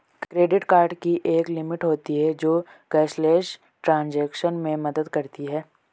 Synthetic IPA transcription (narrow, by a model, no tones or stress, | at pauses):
kkɾeːɖɪʈkaːɾɖkiʔeːklɪmɪʈɦoːt̪iɦɛd͡ʒoːɡ̥ɛːʃleːʃ | ʈɾãːnd͡ʒɛːkʃənmẽmɐd̪əd̪kɐɾt̪iɦɛː